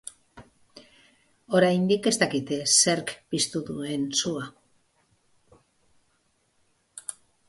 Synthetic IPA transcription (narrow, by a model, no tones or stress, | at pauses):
o̞ɾajnd̪ike̞st̪akit̪se̞ɾkpist̪uðue̞nsua